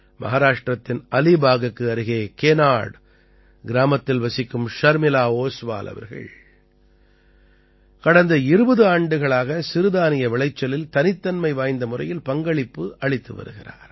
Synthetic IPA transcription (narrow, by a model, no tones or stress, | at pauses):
mʔɐ̰ɦaːɾaːʂʈrɐt̪ːɪnɐlibaːɣɯkːɯɐɾɯɣeːkeːnaːɽ | ɡɪɾaːmɐt̪ːɪlʋɐsɪkːɯmʂɐɾmɪlaːoːsʋa̰ːlɐ̰ʋɐ̰ɾɣɐ̰ɭ | kɐɽɐnd̪ɐɪɾɯbɐðɯaːɳɖɯɣɐɭaːɣɐsɪɾɯðaːnɪjɐʋɪɭɐɪt͡ʃːɐlɪlt̪ɐnɪt̪ːɐnmɐɪʋaːjnd̪ɐmʊrɐjɪlpɐŋɡɐɭɪpːɯʔɐɭɪt̪ːɯʋɐ̰ɾɯɣɪra̰ːɾ